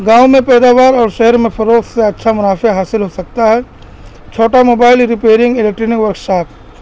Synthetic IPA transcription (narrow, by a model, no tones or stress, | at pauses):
ɡãːwmẽpɛːd̪aːʋaːɾɔːɾʃɛɦəɾmẽpʰɐɾoːkseɐtːʃʰamʊnaːfeɦaːsɪlɦosɐk̚t̪aɦɛ | t͡ʃʰoːʈamoːbaːɪlɾɪpeːɾɪ̃ŋɡɪlɛk̚ʈɾinɪkʋɐɾkʃaːp